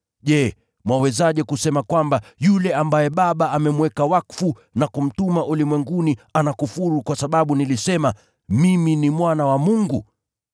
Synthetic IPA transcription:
ʄɛ | mwawɛzaʄɛkusɛmakwambajulɛambajɛɓaɓaamɛmwɛkawakfu | nakum̩tumaʔulimwɛŋɡunianakufuɾukwasaɓaɓunilisɛma | miminimwanawamuŋɡu

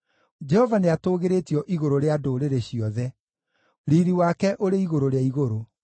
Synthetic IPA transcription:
d͡ʒɛhɔvaneatoːɣeɾetjɔʔiɣoɾoɾeadoɾeɾeɕiɔðɛ | ɾiɾiwakɛʔoɾeiɣoɾoɾeaiɣoɾo

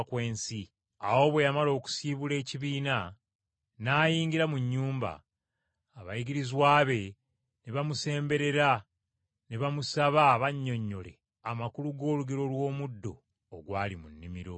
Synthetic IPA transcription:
kweːnsi | awo̞βwe̞jamalo̞ːku̥siːβule̞ːciβiːna | naːjiːɲɡiɾamuɲːuːmba̰ː | βa̰jiɡiɾizwaːβe̞ | neβamuse̞ːmbe̞ɾe̞ɾa | neβamusaβaβaɲːo̞ɲːo̞le̞̰ | amakuluɡo̞ːluɡeɾo̞lwo̞ːmudːo̞ː | ɡwaːlimunːimiɾo̞

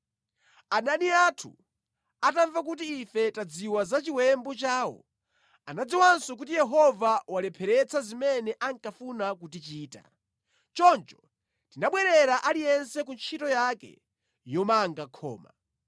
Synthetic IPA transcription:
ananiatʰṵ | ataɱvak̬ut̬iːfɛtad͡ziwazat͡ʃiwɛmbɔt͡ʃaːwɔ̰ | anad͡ziwansɔk̬utijɛɦɔvawalɛpʰɛɾɛt͡sʰazimɛnɛʔaŋkafunak̬ut̬it͡ʃiːta̰ | t͡ʃɔnt͡ʃɔ̥ | tinaɓwɛɾɛɾaʔalijɛnsɛkunt͡ʃʰitɔjakɛ̰ | jɔmaŋɡakʰɔ̰ːma̰

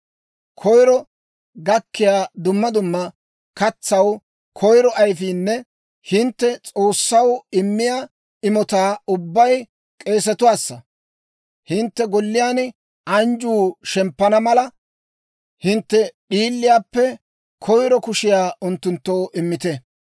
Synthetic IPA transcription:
kʰɔjɾɔ | ɡɐkːɪjaːd̪ʊmːɐd̪ʊmːɐ | kɐt͡sːɐw | kʰɔjɾɔʔɐjfiːnːɛ | hɪnt̪ːɛt͡sʼo̞ːsːɐwɪmːɪjaː | ɪmɔt̪aːʊbːɐj | kʼe̞ːs̬ɛt̪ʊwaːsːɐ̰ | hɪnt̪ːɛɡɔlːɪjaːnɪ | ɐnd͡ʒuːʃɛmpːɐnɐmɐlɐ | hɪnt̪ːɛɗiːlːɪjaːpːɛ | kʰɔjɾɔkʊʃɪjaːʔʊnt̪ːʊnt̪ːo̞ːʔɪmːɪt̪ɛ

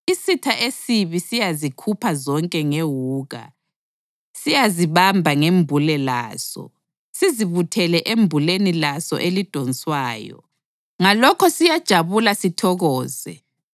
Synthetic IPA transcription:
isitʰaʔesiβisijazikʰupʰazɔŋkʼɛŋewuːɣa̰ | sijaziβambʱaŋembʱulɛla̰ːzɔ̰ | siziβutʰɛlɛʔembʱulenilasɔ̰ʔelid̥ʱɔnsʼwaːjɔ̰ | ŋalɔkʰɔsijad̥ʒ̥ʱaβulasitʰɔɣɔːzɛ̰

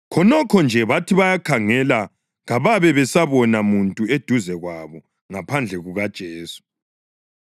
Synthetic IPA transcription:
kʰɔnɔkʰɔnd͡ʒʱɛβatʰiβajakʰaŋɛla | ɣaβaβɛβɛsaβɔnamuntʼued̥ʱuzɛɣwaβɔ | ŋapʰand͡ɮʱɛɣuɣad̥ʒ̥ʱeːsu̥

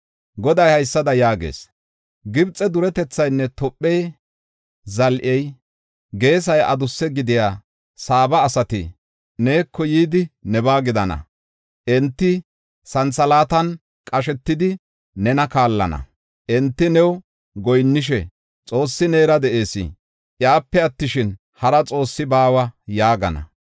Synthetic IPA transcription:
ɡɔd̪ɐjhɐjsːɐd̪ɐjaːɡḛːs | ɡɪbt͡sʼːɛd̪ʊɾɛt̪ɛt͡sːɐjnːɛt̪ɔpʼːɛj | zɐlʔɛj | ɡe̞ːs̬ɐjʔɐ̰d̪ʊsːɛɡɪd̪ɪjaː | saːbɐːsɐt̪ɪ̰ | ne̞ːkʰːɔjiːd̪ɪnɛbaːɡɪd̪ɐnɐ̰ | ʔɛnt̪ːɪ | sɐnsɐlaːt̪ɐn | kʼɐʃ̬ɛt̪ːɪd̪ɪ | nɛnɐkaːlːɐ̰nɐ̰ | ʔɛnt̪ːɪnɛw | ɡɔjnːɪʃ̬ɛ | t͡sʼo̞ːsːɪne̞ːɾɐd̪ɛʔe̞ːsɪ̰ | ʔjaːpːɛɐt̪ːɪʃɪn | hɐɾɐt͡sʼo̞ːsːɪbaːwɐjaːɡɐ̰nɐ̰

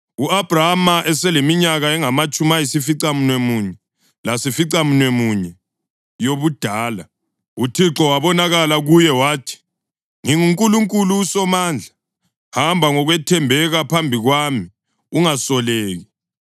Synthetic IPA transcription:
uab̥ʱraamaʔɛsɛlemiɲaɣaɛŋamat͡ʃʼumajisifiǀam̩nwemuɲɛ | lasifiǀamunwemuɲɛ | joβud̥ʱaːla | utʰiǁɔwaβɔnaɣalaɣujɛwaːtʰi̥ | ŋiŋuŋkʼuluŋkʼulusɔmaːnd͡ɮʱa | hambʱaŋɔɣwɛtʰɛmbʱɛɣapʰambʱiɣwami | uŋasɔleːɣi

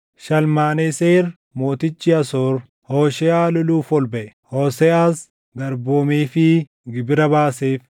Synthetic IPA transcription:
ʃɐlmaːneseːɾ | moːt̪ɪt͡ʃːɪɐsoːɾ | hoːʃɛaːlʊluːfɔlbɛʔɛ̥ | hoːsɛaːs | ɡɐɾboːmeːfɪ | ɡɪbɪɾɐbaːseːf

